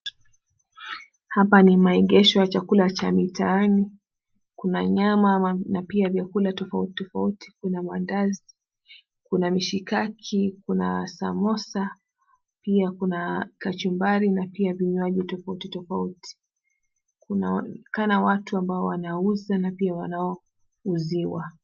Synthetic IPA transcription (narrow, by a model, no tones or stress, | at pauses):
hapanimaɛɠɛʃɔjat͡ʃakulat͡ʃamitʰaːni | kunaɲamanapiavjakulatɔfauti̥tɔfauti̥kunamandazi | kunamiʃikakʰikunasa̰mɔsa | piakunakat͡ʃumbaɾinapiaviɲwaʄitɔfautitɔfautʰi̥ | kunakanawatuambaɔwanauzanapiawanaɔ | uziwa